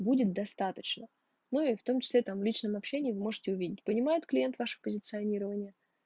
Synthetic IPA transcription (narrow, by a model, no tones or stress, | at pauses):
budʲɪt̪̚d̪ɐst̪at̪ət͡ɕnə | nuɪft̪o̞mt͡ɕɪ̥sʲlʲet̪amvlʲit͡ɕnəmɐpɕːenʲɪːɪvɨmo̞ʐɨtʲɪʊvʲidʲɪt̚ʲpənʲɪmajʊt̪klʲɪjent̪vaʂɨpəzʲɪt̪sɨɐnʲiɾəvənʲɪjə